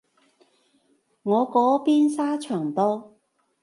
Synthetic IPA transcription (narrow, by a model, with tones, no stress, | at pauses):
ŋɔː˨˧kɔː˨˥piː˥nsaː˥t͡ʃʰœː˨˩ŋt̪ɔː˥